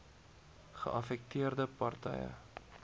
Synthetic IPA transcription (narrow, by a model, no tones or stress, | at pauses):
χə̰ʔɐfɛk̚tiərdəpɐrtɛ̰jə̰